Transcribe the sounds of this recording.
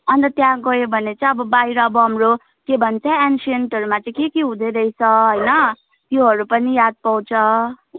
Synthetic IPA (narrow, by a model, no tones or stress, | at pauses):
ʌnt̪ʌt̪jãɡʌjobʱʌnet͡sʌ̃ʌbʌbajɾʌːbʌɦʌmro | kebʱʌnt͡sʰʌ̃ansenʈʌɾumat͡sãĩkekeɦũd̪ʌɾʌit͡sʰʌɦʌjnʌ | t̪joɦʌɾupʌnijad̪̚paw̃t͡sʰʌ